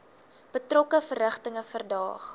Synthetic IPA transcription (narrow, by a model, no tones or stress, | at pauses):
b̥ətrɔkəfərəχtəŋəfərdɑ̰ːχ